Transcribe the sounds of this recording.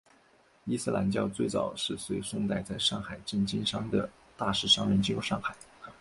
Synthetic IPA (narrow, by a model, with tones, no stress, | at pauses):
i˥sɹ̩˥˩lʔa̰˧˥nt͡ɕjɑ˥˧ʊt͡swe˥˩ɪt͡sɑ˨˩ʊʂɻ̩˥˩swe˧˥ɪsʊ˥ŋt̪a˥˧ɪt͡sa˥˧ɪʂɑ˥˩ŋxa˨˩ɪʈ͡ʂə˥˩nt͡ɕi˥nʂɑ˥ŋd̪ə˩ | t̪a˥˧ʂɻ̩˥˩ʂɑ˥ŋɻə˧˥nʈ͡ʂ̩˥jo˧˥ʊʂɑ˥˩ŋxa˨˩˦ɪ